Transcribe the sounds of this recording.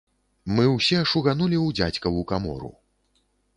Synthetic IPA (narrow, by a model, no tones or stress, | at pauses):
mɨwsʲɛʂuɣanulʲiwd͡zʲat͡sʲkɐwukamɔ̰ɾṵ